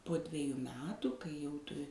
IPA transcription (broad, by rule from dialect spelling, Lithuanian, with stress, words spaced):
poː ˈdʲʋʲæːjʊ ˈmʲæːtʊ kɐɪ jɛʊ ˈtʊ